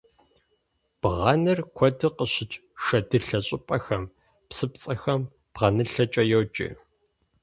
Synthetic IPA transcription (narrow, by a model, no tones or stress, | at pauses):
b̥ʁɑnɨrkʷʰɔdɨqəɕɪt͡ʃʼʂɐdɨɬɐɕʼɪpʼɐxɐm | psɨp̚t͡sʼɐxɐm | b̥ʁɐnɨɬɐt͡ʃʼɐjowt͡ʃʼɪ̰